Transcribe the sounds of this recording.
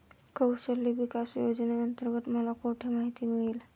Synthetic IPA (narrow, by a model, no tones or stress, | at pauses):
kəwsəlːiʋikasjod͡ʑnaənt̪əɾɡət̪məlakoʈʰemaɦit̪imiɭil